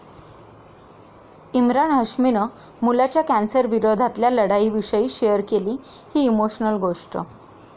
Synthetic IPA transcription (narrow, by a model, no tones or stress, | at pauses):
imɾaɳɦəʂminə | mulat͡ɕjakænsəɾʋiɾod̪ʱat̪ljaləɽaiʋiʂəiːɕejəɾkeliː | hiːmoɕnəlɡoʂʈə̰